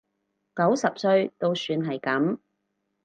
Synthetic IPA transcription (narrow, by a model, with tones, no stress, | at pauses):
kɐ˨˥wsɐ˨p̚sɵ˧ɥt̪o˧wsyː˧nɦɐ˨jkɐ˨˥m